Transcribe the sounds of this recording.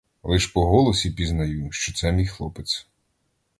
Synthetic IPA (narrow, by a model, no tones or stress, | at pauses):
lˠɪʃpɔɦɔlˠɔsʲipʲiznɐjuʃt͡ʃɔt̪sɛmʲijxlˠɔpet̪s